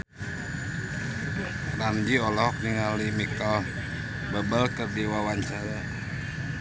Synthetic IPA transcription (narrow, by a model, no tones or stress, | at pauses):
ramd͡ʒiɔlɔɦɔk̚niŋalimikal | bəbəlkərdiwawaɲt͡ʃaɾa